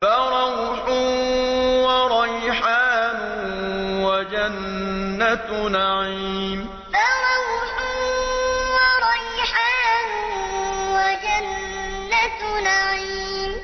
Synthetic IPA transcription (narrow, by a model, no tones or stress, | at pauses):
baɾˤɑwħʊ | waɾˤɑjħaːnʊ | wad͡ʒanː | at̪naʕiːm | faɾˤɑwħʊ | waɾˤɑjħaːnʊwad͡ʒanː | at̪naʕiːm